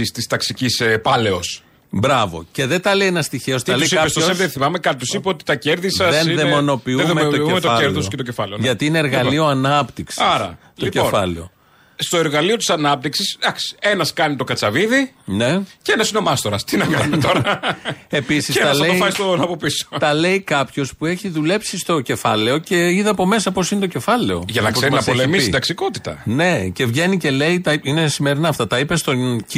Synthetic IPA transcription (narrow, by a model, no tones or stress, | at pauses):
ist̪ist̪ɐksicisepɐle̞os | bɾɐvo̞̰ce̞ðent̪ɐleienɐst̪içeost̪ɐleisiɐest̪ooset̪eθimɐmekɐpjosipeot̪i̥t̪ɐceɾðisɐenðemmo̞no̞piumeoiumet̪oeɾðososket̪ocefɐleoʝɐt̪iineeɾɣɐllio̞ɐnɐpt̪iksiɐɾɐ̰t̪ocefɐleo̞̰ | st̪oeɾɣɐlio̞t̪i̥sɐnɐp̚t̪iksisd̪ɐksi̥e̞nɐskɐnit̪o̞kɐt͡sɐviðine̞ceenɐsineomɐst̪oɾɐst̪inɐkɐnmit̪oɾɐe̞pisist̪ɐlɐeoifɐist̪onɐpopiso̥t̪ɐle̞ikɐpço̞spue̞çiðule̞psist̪o̞ce̞fɐle̞o̞ce̞iðeɐpo̞me̞sɐpo̞sinet̪oce̞fɐle̞o̞̰ʝɐnɐkeɾmnɐspolemisiid̪ɐksiko̞t̪i̥t̪ɐ̰ne̞ce̞vʝe̞nice̞le̞it̪ɐine̞sime̞ɾinɐɐft̪ɐt̪ɐipe̞st̪o̞c